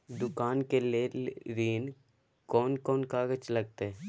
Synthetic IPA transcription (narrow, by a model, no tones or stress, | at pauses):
d̪ʊkaːnkeleɾiːn | kɔːnkɔːnkaːɡət͡ʃlɐɡ̚t̪eɛ